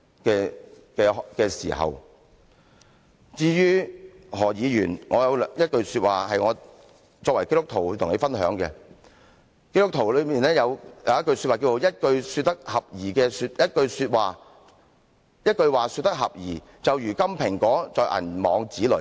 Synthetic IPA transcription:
kɛː˧ | kɛː˧kɛː˧sḭː˨˩hɐ̰˨˩w | t͡siː˧jyː˥ | ɦɔː˨˩jiː˨˧jyː˨˩nŋɔː˨˧jɐ˨˧wjɐ˥t̚kɵ˧ɥsy˧t̚waː˨hɐ˨jŋɔː˨˧ | t͡sɔː˧k̚wɐ˨˩jke˥t̪ʊ˥k̚t̪ʰo˨˩wt̪ʰʊ˨˩ŋne˨˧˥fɐ˥nɦœː˨˥ŋkɛ̰˧ | ke˥tʊ˥k̚t̪ʰo˨˩lɵ˨˧miː˨nlɛː˥jɐ˨˧wjɐ̰˨˧wjɐ˥t̚kɵ˧ɥsyː˧t̚aː˨kiː˧t͡so˨˧jɐ˥t̚kɵ˧ɥsy˧t̪ːɐ˥k̚hɐ˨p̚jiː˨˩kɛː˧s̚ːjɐ˥t̚kɵ˧ɥsyː˧t̚waː˨˩ | jɐ˥t̚kɵ˧ɥwaː˨syː˧t̪ːɐ˥k̚ɦɐ˨p̚jiː˨˩ | t͡sɐ˨wjyː˨˩kɐ˥mpʰɪ˨˩ŋkɔː˨˥t͡sɔː˨˧jʔɐ̰˨˩nmɔː˨˧ŋt͡siː˨˥lɵ̰˨˩

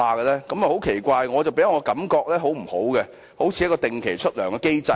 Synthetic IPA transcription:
aː˨kə˧lɛː˥kɐ˨˦mɐ˨˩ho˨˥wkʰe˨˩jkʷaː˧jŋɔː˨˧t͡sɐ˨wpe˨˥jŋɔ˨˧kɐ˨˥mkɔː˧k̚lɛː˥ɦo˨˥wm̩˨˩ho˨˥wɡɛ˧ | ho˨˥wt͡sʰiː˨˧˥ɐ˥kɔː˧t̪ɪ˨ŋkʰe˨˩jt͡ʃʰɵ˥t̚lœː˨˩ŋkɛ˧ke˥jt͡sɐ˧

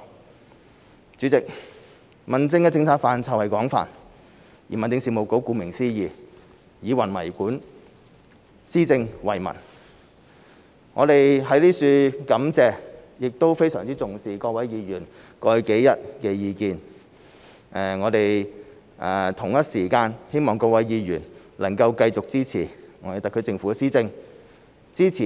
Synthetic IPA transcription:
t͡syː˨˥t͡sɪ˨k̚ | mɐ˨nt͡sɪ˥ŋkɛ˧t͡sɪ˧ŋt͡sʰaː˧k̚faː˨nt͡sʰɐ˨whɐ˨jkɔː˨˥ŋfa̰ː˨˩n | jiː˨˩mɐ˨nt̪ɪ˧ŋsiː˨˩mo˨wko˨˥wkuː˨˧mɪ˨˩ŋsiː˥jiː˨ | jiː˨˧wɐ˨˩nmɐ̰˨˩jkuː˨˥n | siː˥t͡sɪ˧ŋwɐ̰˨˩jmɐ̰˨˩n | ŋɔ̰ː˨˧d̪e˨jɦɐ˨˥jliː˥syː˧kɐ˨˥mt͡sɛː˧ | jɪ˨k̚t̪o˥wfe˥jsœː˨ŋt͡siː˥t͡sʊ˨ŋsiː˨˩kɔː˧wɐ˨˥jjiː˨˧jyː˨˩n | kɔː˧jke˨˥jjɐ˨˥t̚kɛː˧jiː˨˧kiː˧n | ʔɛː˨˩ŋɔː˨˧d̪e˨j | ʔɛː˨˩t̪ʰʊ˨˩ŋjɐ˥t̚siː˨˩kaː˧nhe˥jmɔː˨˩ŋkɔː˧kwɐ˨˥jjiː˨˧jyː˨˩n | lɐ˨˩ŋkɐ˧wkɐ˧jt͡sʊ˨k̚t͡siː˥t͡sʰiː˨˩ŋɔː˨˧e˨t̪ɐ˨kʰːɵ˨˧˥t͡sɪ˧ŋfu˨˥˧siː˥t͡sɪ˧ŋ | t͡siː˥t͡sʰiː˨˩

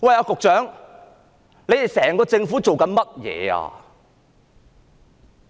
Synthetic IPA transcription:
wɐ˨jaː˨˧kʊ˨k̚t͡ʃœː˨˥ŋ | le˨˧jt̪e˨˩jsɛː˨˩ŋkɔː˧t͡sɪ˧ŋfu˨˥t͡so˨wkɐ˨˦nmɐ˥t̚jɛ̰ː˨˧a̰ː˧

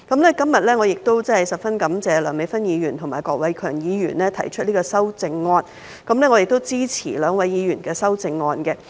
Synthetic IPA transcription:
kɐ˨˥mnlɛː˥kɐ˥mjɐ˨t̚lɛː˥ŋɔː˨˧jɪ˨˩k̚t̪o˥wt͡sɐ˥hɐ˨˩jsɐ˨p̚fɐ˥nkɐ˨˥mt͡sɛː˨lœː˨˩ŋme˨˧jfɐ˥njiː˨˧jyː˨˩nt̪ʰʊ˨˩ŋmaː˨˩jkɔː˧k̚wɐ˨˧jkʰœː˨˩ŋjiː˨˧jy̰ː˨˩nlɛː˥t̪ʰɐ̰˨˩jt͡ʃʰɵ˥t̚liː˥ɡɔː˧sɐ˥wt͡sɪ˧ŋːɔː˧n | kɐ˨˥mlɛː˥ŋɔ˨˧jɪ˨k̚t̪o˥wt͡siː˥t͡sʰḭː˨˩lœː˨˧ŋwɐ˨˧jːiː˨˧ɥyː˨˩nkɛː˧sɐ˥wt͡sɪ˧ŋːɔː˧nkɛ˧

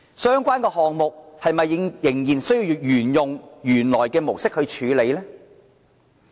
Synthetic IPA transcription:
sœː˥ŋkʷaː˥nkɛː˧hɔː˨ŋmʊ˨k̚hɐ˨jmɐ˨jɪ˨˥ŋjɪ˨˩ŋjiː˨˩nsɵ˥ɥjiː˧wwjyː˨˩njʊ˨ŋjyː˨˩nlɔː˨˩jkɛː˧mo˨˩wsɪ˥k̚hɵ˧ɥt͡ʃʰyː˨˧le˨˧jlɛː˥

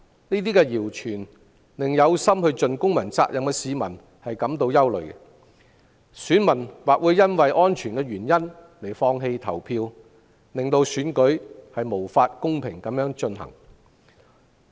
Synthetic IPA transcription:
niː˥t̪iː˥kɛ˧jiː˨˩wt͡ʃʰyː˨˩n | lɪ˨ŋjɐ˨˧wsɐ˥mhɵ˧ɥt͡ʃɵ˨˧nkʊ˥ŋmɐ˨˩nt͡sa̰ː˧k̚jʔɐ˨mkɛː˧siː˨˧mɐ̰˨˩n | hɐ˨jkɐ˨˥mt̪o˧wjɐ˥wlɵ̰˨˩ɥkɛ˧ | syː˨˥nmɐ˨˩nwaː˨k̚wuː˨˧˥jːɐ˥nwɐ˨jʔɔː˥nt͡ʃʰyː˨˩nkɛː˧ɥyː˨˩njɐ˥n | le˨˩jfɔː˧ŋɦe˧jt̪ʰɐ˨˩wpʰiː˧w | lɪ˨˩ŋt̪o˧wsyː˨˥nkɵ˨˥ɥhɐ˨jmo˨˩wfaː˧t̚kʊ˥ŋpʰɪ˨˩ŋkɐ˨˥mjœː˨˥ŋt͡ʃɵ˧nhɐ̰˨˩ŋ

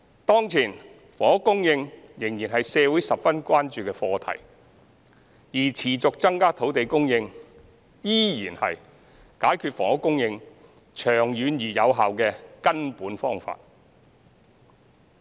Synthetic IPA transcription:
t̪ɔː˥ŋt͡sʰiː˨˩n | fɔː˨˩ŋʊ˥kːʊ˥ŋjɪ˧ŋ | jɪ˨˩ŋjiː˨˩nɦɐ˨jsɛː˨˧wu˨˥jsɐ˨pfɐ˥nkʷaː˥nt͡ʃyː˨kɛː˧fɔː˧t̪ʰɐ̰˨˩j | jiː˨˩t͡sʰiː˨˩t͡sʊ˨k̚t͡sɐ˥ŋkaː˥t̪ʰo˨˥wt̪e˨jkʊ˥ŋjɪ˧ŋ | jiː˥jiː˨˩nhɐ̰˨j | kaː˨˥jkʰyː˧t̚fɔ̰ː˨˩ŋhʊ˥kːʊ˥ŋjɪ˧ŋ | t͡ʃʰœː˨˩ŋjyː˨˧njiː˨˩jɐ˨˧wɦaː˨wkɛː˧kɐ˥npuː˨˥nfɔː˥ŋfa̰ː˧t̚

